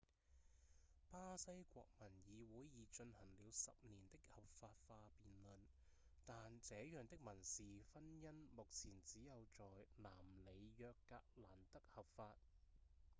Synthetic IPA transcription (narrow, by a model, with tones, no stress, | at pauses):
paː˥sɐ˥jkʷɔ̰ː˧k̚mɐ˨˩njiː˨˧wuː˨˥jːiː˨t͡ʃɵ˧nhɐ˨˩ŋliː˨˧wsɐ̰˨p̚niː˨˩nt̪ɪ˥k̚hɐ˨p̚faː˧t̚faː˧piː˨nlɵ˨˧n | t̪aː˨nt͡sɛː˨˥jœː˨ŋt̪ɪ˥k̚mɐ˨˩nsiː˨fɐ˥njɐ˥nmʊ˨k̚t͡sʰiː˨˩nt͡siː˨˥jɐ˨˧wt͡sɔː˨jlaː˨˩mle˨˧jjœː˧kːa̰ː˧k̚laː˨˩nt̪ɐ˥k̚hɐ˨˩p̚faː˧t̚